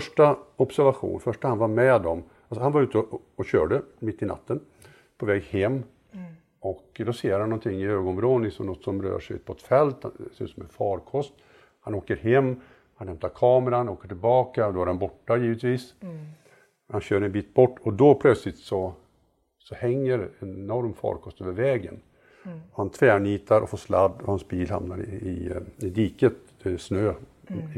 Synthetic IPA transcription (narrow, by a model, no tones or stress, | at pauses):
fœʂʈaɔpsæɾvaɧṵːnfœʂʈahanvaɾmɛd̪ɔm | alsɔhanvaɾʉt̪əː | ɕø̰ːɖəmɪt̪ːɪna̰t̪ːən | pʰɔvɛːɡhɛmː | ɔkd̪ɔseːɾhanːɔnt̪ʰɪŋːɪøːɡɔnmɾoːd̪ənɪsɔmnɔt̪ːsɔmɾø̰ːʂɛjʉ̟ːt̪̚pʰɔt̪fɛlt̪ha̰sʉ̰t̪sɔmɛ̰fɑːɾkʰɔst̪ | hanoːkəɾɦɛmː | hanhɛmpt̪aɾkʰɑːməɾanoːkəʈɪlbɑːkad̪ɔæɾɛnbɔʈːajiːvət̪viːs | hanɕøːɾɛnbiːt̪̚bɔʈːɔd̪ɔpʰlœt̪slɪt̪sɔ | sɔhɛŋːəɾɛnɛnɔɾmfɑ̰ːɾkʰɔst̪øːvəɾvɛːɡən | ɔhant̪ʰvɛːɳiːt̪ʰaɾʔɔ̰foːʂlad̪ːɔhansbiːlha̰mnaɾɪɪɪd̪iːkət̪ | snøː